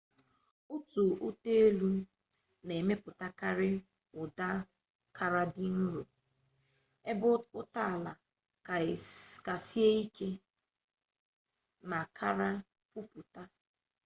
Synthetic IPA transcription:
ʊ˦tu˨ʔʊ˦te˦e˦lu˦ | ne˨me˦pʊ˨ta˦ka˦ɾɪ˦ | ʊ˨da˦ | kʰa˦ɾa˦dɪ˦n̩˦ɾu˨ | e˦bʊ˦ʊ˦ta˦˨la˨ | ka˨si˦e˦i˦ke˦ | ma˨kʰa˦ɾa˦ | pu˦pʊ˨ta˦

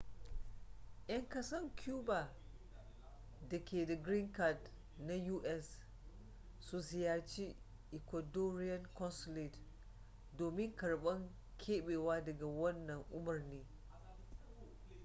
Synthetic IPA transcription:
ʔj̰ɐ˦ŋkɐ˦sɐ˦ŋkʲuː˦baː˨ | dɐ˨kʲeː˨da˨ɡɾi˦ŋka˨d | na˦juː˦ʔɛ˦s | u˦zɪ˨ja˨t͡ʃi˦ | ʔɪ˨kʷɐ˨doː˦ɾɪ˦jɐ˦nkɔ˦nsɔ˦li˨t | doː˨mɪ˦ŋkɐ˨ɽɓɐ˦ŋ | kʲʰeː˦ɓeː˨waː˦dɐ˨ɡa˨wɐ˦nːɐ˨ŋʔʊ˦mɐ˨rneː˦

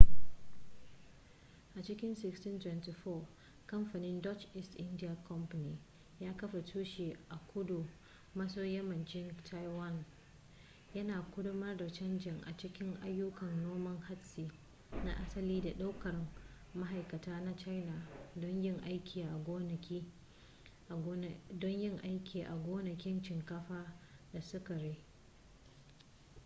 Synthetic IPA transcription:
ʔa˨t͡ʃɪ˦kʲɪ˦nsɪ˦kstɪ˦ntwɛ˨nti˨ɸɔː˦˨ | kɐ˦mɸa˨nɪ˦ndɔ˦t͡ʃʔɪ˦stʔɪ˦ndɪ˦ja˨kɔ˦mɸa˨niː˨ | jaː˦kɐ˦ɸa˨tʰuː˦ʃeː˨ʔa˨kʷʊ˦du˨ | mɐ˦soː˦jɐ˦mɐ˨nd͡ʒɪ˦ŋtʰa˦jwɐ˦˨n | jɐ˦naː˨kʷʊ˦dʊ˦mɐ˦rda˨t͡ʃɐ˦nd͡ʒɪ˨ŋʔa̰˨t͡ʃɪ˦kʲɪ˦ŋʔa˦jːʊ˦kɐ˨nnoː˦mɐ˦ŋha˦tsiː˨ | na̰˦ʔa˦sɐ˦liː˦da˨ɗa˦wkɐ˨r | ma˦ɦa˨jkɐ˨taː˦na˦t͡ʃa˦jna˨dɔ˦ɲjɪ˦ŋʔa˦jkʲʰiː˨ʔa˨ɡʷoː˦nɐ˨kʲi˦˨ | dɔ˦ɲjɪ˦ŋʔa˦jkʲiː˨ʔa̰˨ɡʷoː˦nɐ˨kʲɪ˦nt͡ʃɪ˨ŋkɐ˦ɸaː˦da˨sʊ˦ka˨ɾeː˦

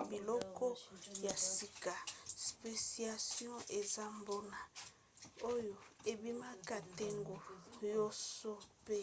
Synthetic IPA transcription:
bi˨lɔ˦kɔ˦ja˨si˨ka˨spe˨si˦a˨sjɔ̃˦e˨za˦mbo˦na˨ | o˦jo˨e˨bi˦ma˦ka˨tɛ˦ŋɡo˨jo˦so˦pe˦

